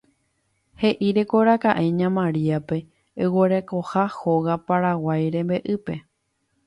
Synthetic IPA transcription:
he̞ʔiɾekoɾakaʔeɲãmãɾiape̞ː | weɾeko̞haho̞ɣapaɾawajɾẽ̞mbe̞ʔɨpe̞

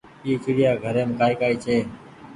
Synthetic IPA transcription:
iːkɪɽɪjaːɡʱəɾeːmkaːiːkaːiːt͡ʃʰeː

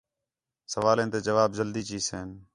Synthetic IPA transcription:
səʋaːlẽːnt̪eːd͡ʒəʋaːbd͡ʒəld̪iːt͡ʃiːseːn

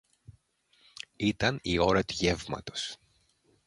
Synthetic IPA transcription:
it̪ɐnio̞ɾɐt̪uʝe̞vmɐ̰t̪o̞̥s

